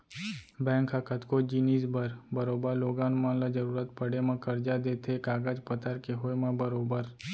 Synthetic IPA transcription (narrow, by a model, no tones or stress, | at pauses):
bɛ̃ŋkakət̪kod͡ʒinid͡ʒbəɾbəɾobaloɡãnmãnlad͡ʒəɾuɾat̪pəɽemãkəɾd͡ʒad̪et̪ʰekaɡad͡ʒpət̪aɾkeɦojmãbəɾobəɾ